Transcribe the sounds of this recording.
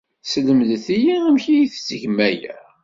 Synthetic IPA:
sləmðθijiæmçijiθt͡sːəʝmæjæ̰

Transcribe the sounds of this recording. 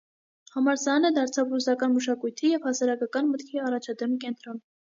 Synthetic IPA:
hɑmɑɾsɑnəd̪ɑɾt͡sʰɑvrusɑkɑnməʃɑkujt̪ʰijɛvhɑsɑɾɑkɑkɑnmət̪kʰiɑrɑt͡ʃʰɑd̪ɛmkɛnt̪ɾɔn

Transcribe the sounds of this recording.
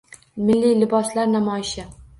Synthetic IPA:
mɪlːijlɪbɒslaɾnamɒjɪʃɪ

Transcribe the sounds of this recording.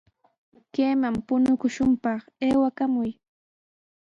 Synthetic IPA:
keːmampʊnʊkʊʃʊmpɑχeːwakamʊj

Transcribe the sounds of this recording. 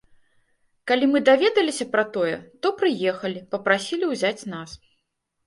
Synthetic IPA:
kalʲimɨd̪avʲɛd̪ɐlʲisʲɐpɾɐt̪ɔjɛt̪ɔpɾɨjɛxɐlʲipɐpɾasʲilʲiwzʲat͡sʲnas

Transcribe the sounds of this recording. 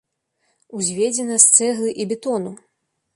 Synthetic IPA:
uzʲvʲed͡zʲɛnɐst̪sɛɣlˠɨʔibʲɛt̪ɔnu

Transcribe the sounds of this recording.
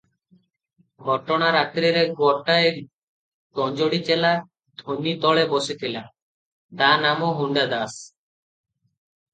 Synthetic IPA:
ɡʱɔʈɔɽ̃aɾat̪ɾiɾeɡwɔʈae | t̪ɔnd͡ʒoɽit͡ʃela | d̪ʱonit̪ɔɭebɔsit̪ʰila | d̪anamɔɦuɳɖad̪as

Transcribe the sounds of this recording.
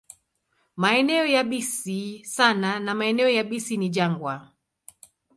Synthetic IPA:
maɛnɛɔjaɓisisananamaɛnɛɔjaɓisiniʄaŋɡwa

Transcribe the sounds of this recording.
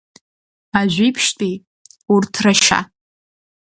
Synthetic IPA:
aʒᶣʷipʰʃtʼi | urtʰraʃa̰

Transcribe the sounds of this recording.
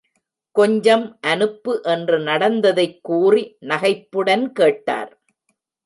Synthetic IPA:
kɔɲd͡ʒɐmʔɐnɯpːɯʔɛndrɯnɐɽɐnd̪ɐðɐɪkːuːrinɐɣɐɪpːɯɽɐnkeːʈːa̰ːɾ

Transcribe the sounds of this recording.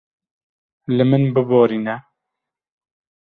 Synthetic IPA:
lɨmɨnbɨboːɾiːnɛ

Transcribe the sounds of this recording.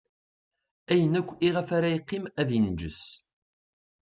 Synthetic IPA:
æjənækʷːiʁəfaɾajiqːɪmæðind͡ʒəs

